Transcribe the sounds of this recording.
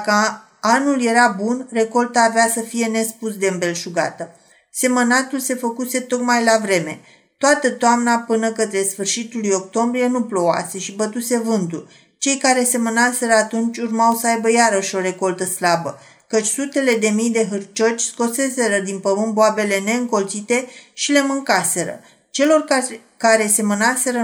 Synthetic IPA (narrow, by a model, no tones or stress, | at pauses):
kə | anulje̞ɾabunre̞ko̞lt̪aːveasəfije̞ne̞spusd̪eɨmbe̞lʃuɡa̰t̪ə | se̞mənat̪ulse̞fəkuse̞t̪o̞kmajlavɾe̞me̞ | t̪oat̪ət̪oamnapɨnəkət̪ɾe̞sfɨrʃit̪ulujo̞k̚t̪o̞mbɾije̞nuplo̞a̰se̞ʃibət̪use̞vɨnt̪ul | t͡ʃe̞jkaɾe̞se̞mənase̞ɾəat̪unt͡ʃʲurmawsəajbəjaɾəʃo̞ɾe̞ko̞lt̪əslabə | kət͡ʃʲsut̪e̞le̞d̪e̞mijd̪e̞ɦɨrt͡ʃo̞t͡ʃʲsko̞se̞se̞ɾəd̪inpəmɨnboabe̞le̞ne̞ɨŋko̞lt̪sit̪e̞ʃile̞mɨŋkase̞ɾə̰ | t͡ʃe̞lo̞r | kaɾe̞se̞mənase̞ɾə